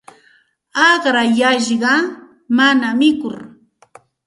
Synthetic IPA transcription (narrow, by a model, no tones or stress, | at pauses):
ɑχɾajaʃɢɑ | manamɪkʊɾ